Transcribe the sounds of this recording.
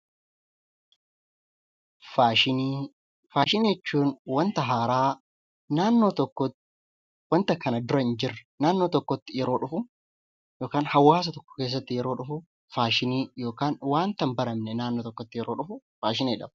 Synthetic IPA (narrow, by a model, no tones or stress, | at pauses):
faːʃɪniː | faːʃɪnɛt͡ʃːuːnwɐnt̪ɐɦaːɾaː | naːnːo̞ːt̪ɔkːɔ | wɐnt̪ɐkɐnɐd̪ʊɾɐɪnd͡ʒɪrɐ̥naːnːo̞ːt̪ɔkːɔt̪ːɪjɛɾo̞ːᶑʊfʊ | joːkaːnhɐwːaːs̬ɐt̪ɔkːɔ̥ke̞ːs̬ːɐt̪ːɪjɛɾo̞ːᶑʊfʊ | faːʃɪniːjo̞ːkaːnwaːnt̪ɐmbɐɾɐmnɛnaːnːoːt̪ɔkːɔt̪ːɪjɛɾo̞ːᶑʊfʊ | faːʃɪneːᶑɐb